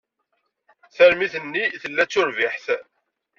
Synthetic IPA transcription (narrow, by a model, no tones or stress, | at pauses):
θæɾmiθənːiθəlːæt͡sːʊɾvɪħθ